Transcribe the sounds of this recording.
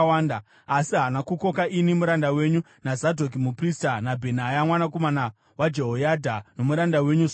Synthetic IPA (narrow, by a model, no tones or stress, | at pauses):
waːnda | asiɦanakuko̞kaʔinimuɾandawe̞ɲu | nazadʱo̞k̬imupristanabʱe̞najamwanak̬omana | wad͡ʒe̞ɦojadʱano̞muɾandawe̞ɲu